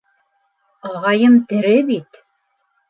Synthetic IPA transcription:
ɑʁɑjɤmt̪ɘ̆ɾɘbit̪

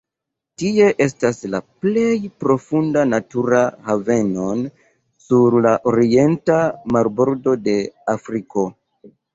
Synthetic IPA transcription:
tie̞ʔe̞staslaple̞jpɾo̞fundanatuɾahave̞no̞n | suɾlaʔoɾie̞ntamaɾbo̞ɾdo̞de̞afɾiko̞

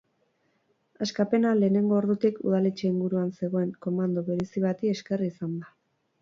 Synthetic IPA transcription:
askape̞nale̞ːne̞ŋɡo̞ːɾðut̪ikuð̞alet͡ʃe̞iŋɡuɾuanse̞ɣ̞o̞e̞ŋko̞mand̪oβe̞ɾesiβat̪ie̞ske̞riːsand̪a

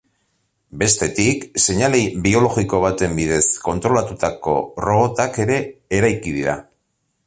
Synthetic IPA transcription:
be̞st̪e̞t̪ikse̞ɲalejbio̞lo̞ɣiko̞β̞at̪e̞mbiðe̞sko̞nt̪ɾo̞lat̪ut̪ako̞̰ro̞ɣo̞t̪ake̞ɾe̞ːɾajkið̞iɾa̰

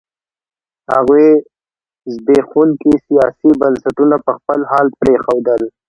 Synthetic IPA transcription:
ha̰ɣwe | zb̪exunkisijɑsibənsaʈunapəxpəlhɑːlpɾexawd̪əl

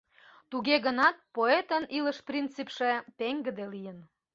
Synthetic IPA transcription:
t̪uɣeɣənɑt̪̚poet̪əniləʃprʲint͡sipʃe̽t̪eŋɡə̆d̪elijən

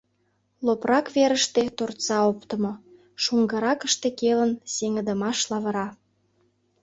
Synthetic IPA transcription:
loprɑkβeɾəʃt̪et̪ort̪t͡sɑopt̪ə̆mo | ʃuŋɡə̆ɾɑkəʃt̪ekelənseŋəd̪əmɑʃlɑβə̆ɾɑ

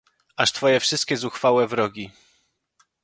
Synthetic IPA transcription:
ʔaʂt̪fɔjɛfʂɘst̪̚kʲɛzuxfawɛvɾɔɡʲi

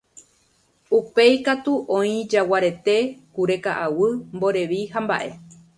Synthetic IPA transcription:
upe̞jkat̪uʔõĩd͡ʒawaɾe̞t̪e̞kuɾe̞kaʔawɨmbo̞ɾe̞ʋihamba̰ʔe̞

